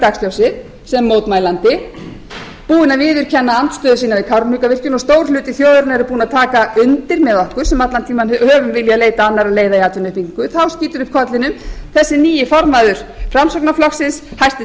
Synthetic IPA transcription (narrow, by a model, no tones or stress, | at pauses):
t̪aksljawsɪ | sɛmːowt̪majlant̪ɪ | puːðɪnaðvɪːðʏɾ̥cʰɛnːaant̪st̪œːðʏsiːnavɪkʰawɾpnikavɪr̥cʏnɔst̪oːwɾlʏːt̪ɪθjoːðʏɾnɛɾʏpuːnat̪ʰaːkaʔʏnt̪ɪɾmɛðɔhkʏɾ̥sɛmat̪lant̪ʰiːmanhœːvʏmvɪljaleːjt̪aanːaɾaðleːjðaiaːt̪ʏnʏhpiŋkʏθawsciːt̪ʏɾʏhp̚kʰɔt̪lɪnʏmθɛsːɪniːjɪfɔɾmaðʏɾ̥fɾamsɔknaflɔxsɪnshajst̪ɪ